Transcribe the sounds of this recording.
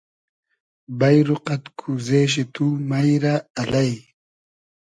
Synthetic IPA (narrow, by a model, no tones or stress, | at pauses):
bɐjɾuqɐt̪kʰuzeːɕ̬it̪umɐjɾaːlɐj